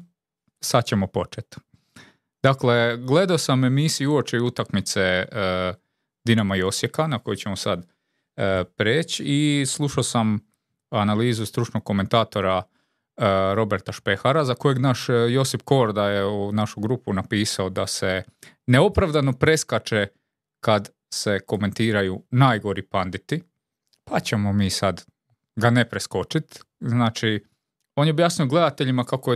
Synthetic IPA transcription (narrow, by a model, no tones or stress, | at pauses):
sad̪̚t͡ɕe̞mopo̞t͡ʃet̪ | d̪̥akle̞ɡle̞d̪aosame̞misiuuot͡ʃeut̪akmit̪se̞ | d̪inamaio̞sjekanako̞jut͡ɕe̞mosa̰d̪ | pɾeːt͡ɕislˠuʃaosam | analiːzust̪ɾut͡ʃno̞ɡ̚ko̞me̞nt̪aːt̪o̞ɾa | ɾo̞be̞ɾt̪aʃpe̞xaɾazako̞jeɡnaʃjo̞sifko̞ɾd̪ajeunaʃuɡɾupunapiːsaod̪ase̞ | ne̞o̞pɾaʋd̪ano̞pɾe̞skat͡ʃe | kad̪ | se̞ko̞me̞nt̪iːɾajunaːjɡo̞ɾipand̪it̪i | pat͡ɕe̞momiːsad̪ | ɡane̞pɾesko̞t͡ʃit̪ | znaːt͡ʃi | oːnjeobjaːsnijoɡle̞d̪at̪e̞ʎimakako